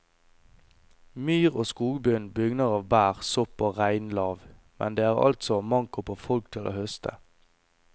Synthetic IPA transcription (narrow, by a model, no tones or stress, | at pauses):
myːʁoːskuːɡbʏnbʏɡnəʁɑːʋbæːʁsɔpoːʁæɪnlɑːʋ | mʔɛ̰nd̪eːæːʁɑ̰lt̪sɔmɑŋkʊpʰoːfɔlk̚t̪ʰɪlʔo̰ːhœst̪ʰə̰